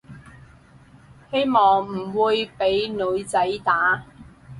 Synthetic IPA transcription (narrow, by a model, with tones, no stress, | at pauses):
he˥jmɔː˨ŋm̩˨˩wuː˨˧jpe˨˥jlɵ˨˧ɥt͡sɐ˨˥jt̪aː˨˥